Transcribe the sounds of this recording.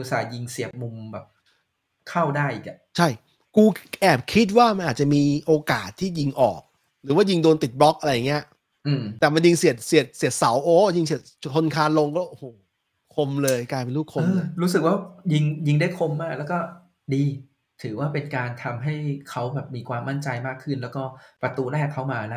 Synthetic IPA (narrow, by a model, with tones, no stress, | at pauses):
u˧˦˩saː˩˦ji˧ŋsi˨˩əp̚mu˧mbɛː˨˩p̚ | kʰa˥˩wdaː˥˩jʔḭː˨˩k̚a˨˩ʔt͡ɕʰa˥˩j | kuː˧ʔɛː˨˩p̚kʰi˦˥t̪̚waː˥˩ma˧nʔaː˨˩t̪̚t͡ɕa˨˩miː˧ʔoː˧kaː˨˩t̪ʰːiː˥˩ji˧ŋʔɔː˨˩k̚ | ɾɯː˩˦waː˥˩ji˧ŋdoː˧nt̪i˨˩t̪̚blɔ˦˥k̚ʔa˧ɾa˧jːa˨˩ŋːi˦˥ɐ˩ | ʔɯː˧mt̪ɛː˨˩ma˧nji˧ŋsi˨˩ət̪̚si˨˩ət̪̚si˨˩ət̪̚sa˩˦wʔoː˦ji˧ŋsi˨˩ət̪̚ʰo˧nkʰaː˧nlo˧ŋkɔː˥˩ʔo˧hoː˨˩ | kʰo˧mlɤː˧jkaː˧jpe˧nluː˥˩kʰo˧mː˧lɤːɾuː˦˥sɯ˨˩k̚waː˥˩ji˧ŋji˧ŋda˥˩jkʰo˧mːaː˥˩k̚lɛː˦˥wkɔː˥˩ | diː˧ | t̪ʰɯː˩˦waː˥˩pe˧nkaː˧nt̪ʰa˧mɦa˥˩jkʰa˦˥wbɛː˨˩p̚miː˧kʰwaː˧mːa˥˩nt͡ɕa˧jmaː˥˩kʰːɯ˥˩nlɛː˦˥wkɔː˥˩pɾa˧t̪uː˧lɛː˥˩kʰːa˦˥wmaː˧la˦˥